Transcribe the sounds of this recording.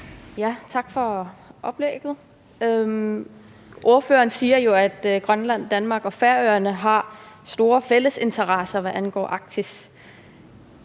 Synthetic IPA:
jæt͡sʰɑ̈ɡ̥fɒ̽ʔɒ̽b̥leɡ̥ð̞̩ˠ | ø | ʔo̝ɐføːɐːnsiːɐjo̝æd̥ɡ̥ʁɶnlæn̰d̥ænmɑ̈ːɡ̥ɒ̽fæɐøɐnəɦɑ̈ | sd̥o̝ːɐfel̰əse̝nt͡sʰɐʁɑsɐʋæʔænɡ̥ɒ̰ːʔɑ̈ɡ̥̚t͡sʰis

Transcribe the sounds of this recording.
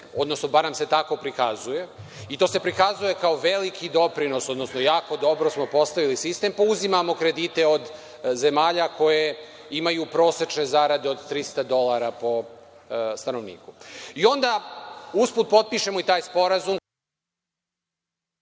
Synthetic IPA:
o̞d̪no̞snobaɾnamse̞t̪ako̞pɾikazuje̞ | it̪o̞ːse̞pɾikazuje̞kao̞ʋe̞likʰid̪o̞pɾino̞sod̪no̞sno̞jaːko̞d̪o̞bɾo̞smo̞po̞st̪aʋilisist̪e̞mpauzimamo̞kɾe̞d̪it̪e̞od̪ | ze̞maːʎako̞je̞ | imajupɾo̞ːse̞t͡ʃne̞zaɾad̪eo̞d̪t̪ɾist̪ad̪o̞lˠaɾapo̞ | st̪ano̞ʋnḭːkuio̞nd̪auspuːt̪̚po̞t̪̚piʃe̞moit̪aːjspo̞ɾazum

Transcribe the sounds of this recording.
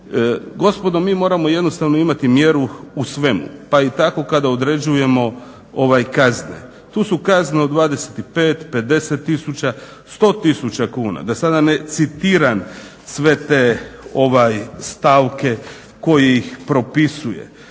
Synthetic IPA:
ɡo̞spo̞d̪o̞miːmo̞ːɾamo̞je̞d̪nost̪aʋno̞imat̪imje̞ɾuusʋe̞mṵpait̪ako̞kad̪aod̪ɾe̞d͡ʑuje̞mo̞ | o̞ʋajkaznḛ | t̪uːsukazneod̪ʋaːd̪e̞set̪ipe̞ːt̪pe̞d̪e̞set̪ːisut͡ɕa | st̪o̞ːt̪isut͡ɕakuːna̰d̪asad̪ane̞t̪sit̪iːɾan | sʋe̞t̪eːo̞ʋajst̪aʋke̞ | ko̞jijixpɾo̞pisujḛ

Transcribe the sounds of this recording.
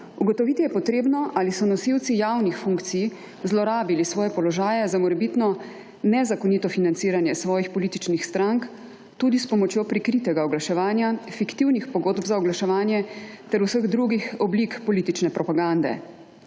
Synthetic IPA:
uɡɔt̪ɔʋiːt̪ijɛpɔt̪ɾeːbnɔʔalisɔnɔsiwt̪sijawnixfuŋkt̪sij | zlɔɾaːbilisʋɔːjɛpɔlɔʒaːjɛzamɔɾɛbit̪nɔ | nɛzakɔniːt̪ɔfinant̪siːɾanjɛsʋɔːjixpɔliːt̪it͡ʃnixst̪ɾaŋk | t̪uːd̪ispɔmɔt͡ʃjoːpɾikɾiːt̪ɛɡaɔɡlaʃɛʋaːnjafikt̪iwnixpɔɡoːd̪bzaɔɡlaʃɛʋaːnjɛt̪ɛɾusəɣd̪ɾuɡixɔblikpɔliːt̪it͡ʃnɛpɾɔpaɡand̪ɛ̰

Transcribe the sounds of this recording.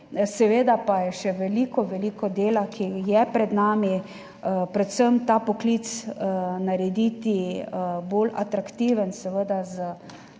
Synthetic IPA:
sɛʋeːd̪apajɛʃɛʋɛliːkɔʋɛliːkɔd̪eːlakʰijɛpɾɛd̪naːmi | pɾɛt̪səmt̪apɔklit̪snaɾɛd̪iːt̪ibola̰t̪ɾakt̪iːʋənsɛʋəd̪azə

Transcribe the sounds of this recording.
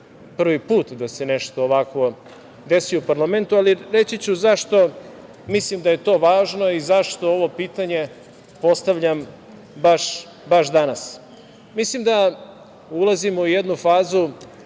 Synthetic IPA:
pr̩ʋipuːt̪d̪ase̞neʃt̪oːʋakʋo̞ | d̪e̞siupaɾlament̪ualiɾe̞t͡ɕit͡ɕuzaʂt̪o̞ | mislimd̪aje̞t̪o̞ːʋaːʒnoizaʂt̪o̞oʋo̞piːt̪aɲe̞ | po̞st̪aʋʎam | baʃ | baʃd̪anas | mislimd̪a | ulˠazimuujed̪nufaːzu

